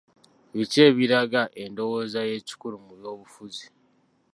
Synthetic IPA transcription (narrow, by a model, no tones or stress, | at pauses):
βice̞ːβiɾaɡaʔe̞ndo̞wo̞zaje̞ci̥kuɾumuɾjo̞ːβufuzi